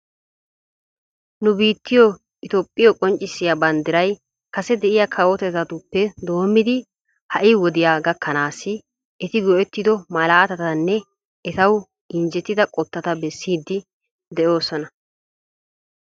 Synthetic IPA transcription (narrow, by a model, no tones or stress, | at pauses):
nʊbiːt̪ːɪjɔ | ɪt̪opʼːɪjɔkʼɔnt͡ʃʼːɪsːɪjabɐnd̪ɪɾɐj | kɐsɛd̪ɛʔɪjaːkʰɐwɔt̪ɛt̪ɐt̪ʊpːɛd̪o̞ːmːɪd̪ɪ | hɐʔɪwɔd̪ɪjaːɡɐkʰːɐnaːsːɪ | ɛt̪ɪɡɔʔɛt̪ːɪd̪ɔmɐlaːt̪ɐt̪ɐnːɛ | ɛt̪ɐw | ɪnd͡ʒɛt̪ːɪd̪ɐkʼɔt̪ːɐt̪ɐbɛsːiːd̪ːɪ | d̪ɛʔo̞ːsɔnɐ